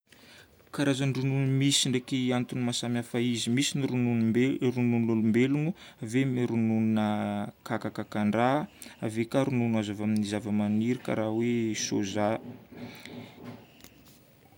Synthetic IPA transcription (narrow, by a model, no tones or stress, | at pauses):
kaɾazanɖ͡ʐununumisiɳɖ͡ʐekiant̪unmasamjafaizimisiniɾunuɾununlulumbelunu | avemiɾunununəkakakakaɳɖ͡ʐaavekaɾununuazavaminizavəmaniɾika̰ɾaweso̰za